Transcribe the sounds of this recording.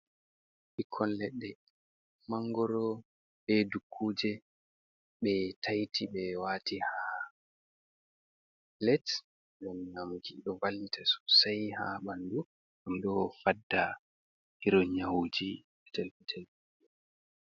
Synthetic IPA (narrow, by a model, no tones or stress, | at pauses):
ɓikʰːɔnlɛɗːɛ | maŋɡɔɾɔ | ɓɛdukʰːuːd͡ʒɛ | ɓɛtʰajtʰibɛwaːtiha | lɛt | ɡamɲamuɡiɗɔvalːitʰasu̥sajha̰bandu | ɡamɗɔfadːa | hiɾɔɲawud͡ʒi | ɛtɛlfitʰɛlfiɗɛ